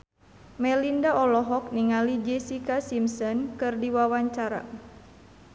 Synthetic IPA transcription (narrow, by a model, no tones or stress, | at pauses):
mɛlindaɔlɔɦɔk̚niŋalid͡ʒɛsikasimsɔnkɨrdiwawaɲt͡ʃaɾa̰